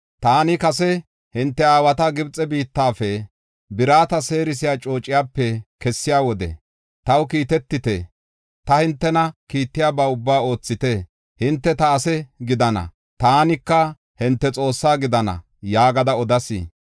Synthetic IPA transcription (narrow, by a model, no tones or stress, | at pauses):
t̪aːnɪkɐs̬ɛ | hɪnt̪ːɛaːwɐt̪ɐɡɪbt͡sʼːɛbiːt̪ːaːfɛ | bɪɾaːt̪ɐse̞ːɾɪs̬ɪjaːt͡ʃʼo̞ːt͡ʃʼːɪjaːpːɛkɛsːɪjaːwɔd̪ɛ̰ | t̪ɐwkiːt̪ɛt̪ːɪt̪e | t̪ɐhɪnt̪ːɛnɐkiːt̪ːɪjaːbɐʊbːaːo̞ːt͡sːɪt̪e | hɪnt̪ːɛt̪ɐːsɛɡɪd̪ɐnɐ̰ | t̪aːnɪkːɐ | hɪnt̪ːɛt͡sʼo̞ːsːaːɡɪd̪ɐnɐ̰ | jaːɡɐd̪ɐɔd̪ɐsḭː